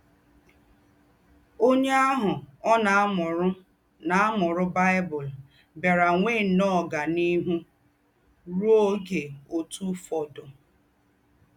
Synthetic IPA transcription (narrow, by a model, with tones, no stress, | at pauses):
o˦ɲe˦a˦ɦʊ˨ɔ˦na˨˦mʊ˨ɾʊ˦ | na˨a˦mʊ˨ɾʊ˦ba˦ɪ˦bʊ˨l | be˨ɾa˨ŋʷe˦˨nɔ˦˨ɡa˨ni˦ɦu˦ | ɾo˦ɡe˨o˨tu˦fɔ˨dʊ˨